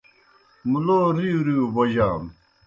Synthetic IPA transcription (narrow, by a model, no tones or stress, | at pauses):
muloɾiɾiboʑaːm